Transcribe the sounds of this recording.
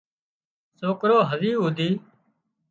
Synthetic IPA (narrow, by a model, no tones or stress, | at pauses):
soːkɾoːɦəziːuːd̪ʱiː